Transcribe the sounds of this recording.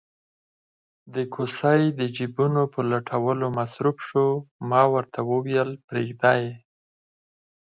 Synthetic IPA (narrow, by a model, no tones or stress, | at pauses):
d̪əkʰosajd̪əd͡ʒibunopəlaʈʰawəlomasɾufʃomɑwəɾt̪ʰawəwjəlpɾeɡd̪ɑje